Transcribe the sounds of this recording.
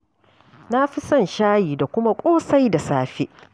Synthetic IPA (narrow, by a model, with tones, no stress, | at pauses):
na˦ɸi˦sɐ˦˨nʃaː˦jiː˨da˨kʷʊ˦ma˦kʷʼoː˦sa˦jda˨saː˦˨ɸeː˦